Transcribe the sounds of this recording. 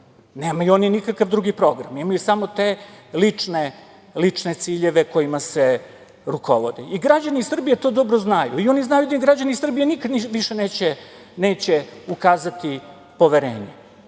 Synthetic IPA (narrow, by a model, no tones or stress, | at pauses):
ne̞ːmajuo̞ninikakaʋd̪ɾuɡipɾo̞ɡɾa̰mimajusamo̞t̪e̞lit͡ʂne | lit͡ʂne̞t̪siːʎe̞ʋe̞ko̞jimase̞ | ɾuko̞̰ʋod̪iʔiɡɾad͡ʑaniisr̩bijet̪o̞ːd̪o̞bɾoznajṵio̞niznajud̪aiɡɾad͡ʑanisr̩bijenikad̪iʋiʃeneːt͡ɕe | ne̞ːt͡ɕeukaːzat̪i | po̞ʋe̞ɾe̞̰ːɲḛ